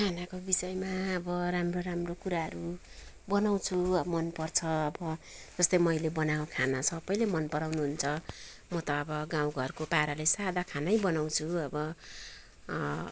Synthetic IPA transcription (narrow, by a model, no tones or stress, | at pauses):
kʰanakobisʌjmaʌbʌramroɾamrokuɾaɦʌɾu | bʌnaw̃t͡sʰuʌmʌnpʌrt͡sʰʌʌbʌd͡zʌst̪ʌjmʌjlebʌnaokʰanasʰʌbʌjlemʌnpʌɾawnuɦunt͡sʰʌ | mʌt̪ʌːbʌɡãw̃ɡʱʌrkopaɾalesad̪akʰanʌjbʌnaw̃t͡sʰuʌbʌ